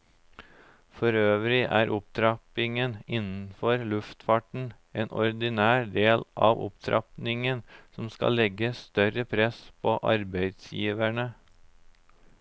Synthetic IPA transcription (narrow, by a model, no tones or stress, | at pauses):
fɔɾøːʋɾɪʔæːɾʔʊp̚t̪ʰɾɑpɪŋənɪnn̩fɔɾlʉft̪fɑʈɳ̩ | eːnɔɾd̪ɪnæːɖ̪eːlʔɑːʋʊ̰pt̪ʰɾʔɑ̰pnɪŋənsɔmskɑ̰lɛɡəst̪œɾəpʰɾɛspʰoːʔɑ̰ɾbæɪd̪sjḭːʋæɳə